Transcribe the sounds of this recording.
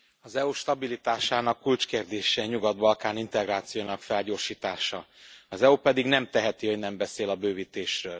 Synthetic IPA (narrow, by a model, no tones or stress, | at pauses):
ɒzɛuʃt̪ɒbilit̪aːʃaːnɒkːult͡ʃkeːrd̪eːʃɛɲuɡɒd̪bɒlkaːnint̪ɛɡraːt̪sijoːnɒkfɛlɟoːrʃiːt̪aːʃɒɒzɛupɛd̪iɡnɛmt̪ɛɦɛt̪ihoɟnɛmbɛseːlɒbøːvit̪eːʃrøːl